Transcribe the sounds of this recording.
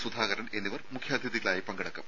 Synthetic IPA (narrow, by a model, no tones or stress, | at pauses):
sud̪ʱaːɣɐɾɐne̞nːiʋɐrmukʰjaːd̪ʱjiðiɣɐɭaːjipɐŋɡɐɽɐkːɐm